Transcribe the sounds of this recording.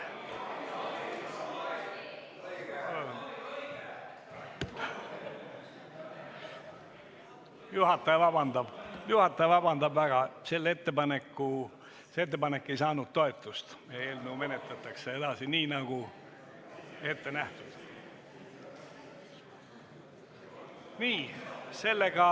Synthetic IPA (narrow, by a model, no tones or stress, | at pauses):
juhɑt̪ːˑɑjɑvɑbɑnd̪ɑb̥juhɑt̪ːˑɑjɑvɑbɑnd̪ɑbæɡ̥ɑse̞lːe̞t̪ːe̞pɑne̞kːu | seet̪ːepɑne̞kːe̞jsɑːnud̪̥̚t̪ːo̞e̞t̪ˑːust̪meːlnuwme̞net̪lɑt̪ːˑɑkseed̪ɑsiniːnɑɡ̥u | e̞t̪ːe̞næht̪ud̪̥ | niːse̞lːeɡ̥ɑ